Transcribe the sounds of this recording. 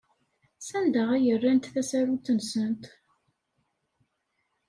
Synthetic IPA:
sænd̪əʁæjərːænt̪θæsæɾut͡s̪ːənsənt̪

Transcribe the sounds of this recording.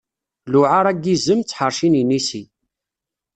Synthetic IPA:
lʊʕaɾˤæɡizəmt͡sːħəɾˤʃininisi

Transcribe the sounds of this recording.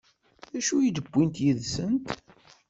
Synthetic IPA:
ðæʃujid̪əbʷːint̪jiðsənt̪

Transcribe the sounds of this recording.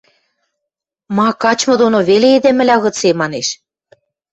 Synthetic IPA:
mɑkɑt͡ɕmɤ̆d̪onoβeleed̪ĕmɘ̆lʲɑɣɤ̆t͡semɑneʃ

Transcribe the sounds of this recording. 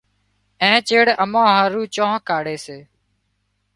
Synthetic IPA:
ẽːt͡ʃeːɽəmãːɦaːɾuːt͡ʃõːɦkaːɽeːseː

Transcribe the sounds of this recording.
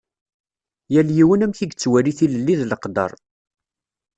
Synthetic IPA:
jæljiwənæmçiɡt͡sːwæɾiθiləlːiðləqd̪ɑ̰ɾˤ

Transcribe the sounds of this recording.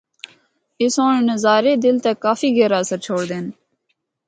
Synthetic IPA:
ɪsõːɳːnəzaːɾeːd̪ɪlt̪eːkaːfiːɡeːɾaːsəɾt͡ʃʰoːɽd̪eːn

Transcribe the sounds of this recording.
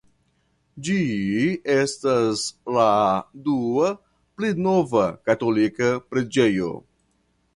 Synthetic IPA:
d͡ʒi | e̞stasladua | plenovakatolikapɾed͡ʒe̞jo̞̰

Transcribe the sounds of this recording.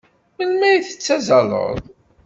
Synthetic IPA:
məlmæjθə̥t͡sːæzɑlˤə̰ðˤ

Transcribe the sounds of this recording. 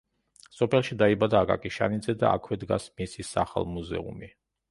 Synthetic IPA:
sɔpʰɛlˠʃid̪aibad̪aːkʼa̰kʼiʃa̰nid̪zɛd̪a̰a̰kʰwɛd̪ɡa̰smisisa̰χa̰lˠmuzɛ̰ṵmi

